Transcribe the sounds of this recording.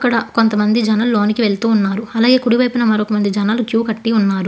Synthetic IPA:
ɐkːɐɽɐko̞nt̪ɐmɐnd̪id͡ʒɐnɐlloːnikiʋe̞ɭt̪uːunːaːɾuɐlaːɡe̞ːkuɽiʋɐjpunɐmɐɾokɐmɐnd̪id͡ʒɐnaːlukjuːkɐʈːiunːaːɾu

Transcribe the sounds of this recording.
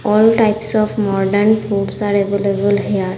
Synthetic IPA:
ɔːlʈaɪpsɔːfmɔːɖəɾnfuːɖsaːɾeʋelebəlɦijaɾ

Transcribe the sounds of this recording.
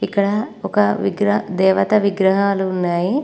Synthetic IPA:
ikːɐɽɐɔkɐʋiɡɾɐd̪ɛːʋɐt̪ɐʋiɡɾɐɦaːluunːaːji

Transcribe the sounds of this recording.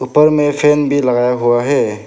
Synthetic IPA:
upəɾmepʰenbilaɡajaɦuwaɦe

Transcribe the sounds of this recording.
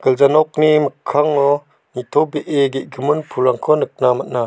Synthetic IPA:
ɡ̥əlzanɔk̚niməkʰːaŋɔ | nit̪ʰɔbeʔeɡeʔɡəmɯnpʰuɾaŋkʰɔnɯk̚namana

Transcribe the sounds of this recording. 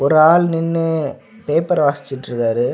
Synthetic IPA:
ɔɾɯaːɭnɪnːɯ | peːpːɐɾʋaːsɪ̥t͡ʃːɪʈːɾɯkaːɾɯ

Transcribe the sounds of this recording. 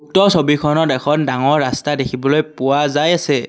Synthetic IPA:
uk̚tɔsobikʰɔnɔtɛkʰɔndaŋɔɹːastadekʰibɔlojpʊwazajasɛ

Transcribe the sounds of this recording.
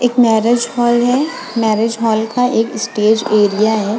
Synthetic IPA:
eːkmɛːɾed͡ʒhɔːlɦɛ | mɛːɾed͡ʒɦɔːlkʰaʔeːkɪsʈeːd͡ʒeːɾijaɦɛː

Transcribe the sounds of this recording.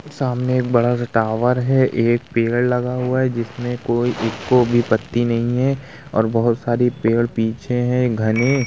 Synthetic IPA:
saːmneeːk̚bɐɽasɐʈaːʋəɾɦɛʔeːk̚peːɽlɐɡaɦʊaɦɛd͡ʒɪsmẽkoːiʔɪkːobʱipɐt̪ːinɐɦĩɦɛ̃ | ɔ̰ːɾbɐɦʊt̪saːɾipeːɽpiːt͡ʃʰeɦɛ̃ɡʱɐne

